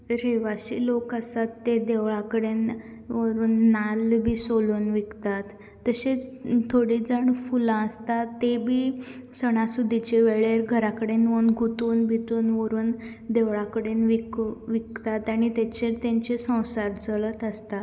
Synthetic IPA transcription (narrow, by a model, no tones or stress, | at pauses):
ɾeʋaɕilokəsat̪ːed̪eʋɭakəɽen | ʋəɾuːnːalbʱiːsoluːnʋikt̪at̪ː | əɕet͡st̪ʰoɽid͡zəɳfulãəst̪at̪ːebʱiːsəɽ̃ãsud̪ʱːit͡ɕeʋeɭeɾɡʱəɾakəɽenʋənɡʱut̪uːnbʱit̪uːnʋəɾuːn | d̪eʋɭakəɽenʋikʋikt̪at̪aɽ̃it̪et͡ɕeɾt̪ãɲt͡ɕesə̃w̃saɾt͡səɭət̪əst̪a